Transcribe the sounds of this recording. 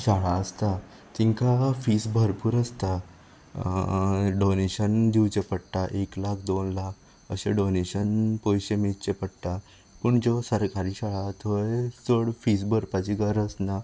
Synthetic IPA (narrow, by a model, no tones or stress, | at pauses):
ɕaɭaəst̪a | t̪ĩŋkafisbʱəɾpuːɾəst̪a | ɖoneɕənd̪iwt͡ɕepəɽt̪aʔeklakʰd̪onlak̚ʰ | əɕeɖoneɕənpojɕemit͡ɕepəɽt̪a | pəɳd͡zɔsəɾkaɾiːɕaɭat̪ʰojsəɽfisbʱəɾpat͡ɕiɡəɾəsna